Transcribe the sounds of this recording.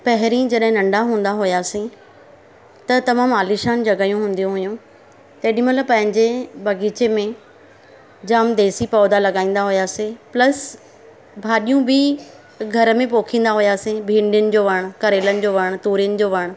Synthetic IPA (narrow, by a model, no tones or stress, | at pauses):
pɐɦɪɾĩd͡ʑɐɗɦɪ̃nɐ̃ɳɖaɦũːn̆d̪aɦʊjaːsĩ | t̪ɐt̪ɐmaːmaːliʃaːnd͡ʑɐɡaːjũɦũːn̆d̪ijũɦʊjũ | t̪eːɗij̃ũmɐt̪ləb̚pɐ̃ɦɪ̃ɲd͡ʑebɐɡiːt͡ɕemẽ | d͡ʑaːmd̪eːsipɔːd̪alɐɠaːĩːn̆d̪aɦʊjaːsĩplɐs | bʱaːɗijũbʱɪ | ɡʱɐɾə̆mẽpoːkʰĩːn̆d̪aɦʊjaːsĩbʱĩːɳɖjənɪ̆d͡ʑoːʋɐɽ̃kɐɾeːlənɪ̆d͡ʑoːʋɐɽ̃t̪uːɾijənɪ̆d͡ʑoːʋɐɽ̃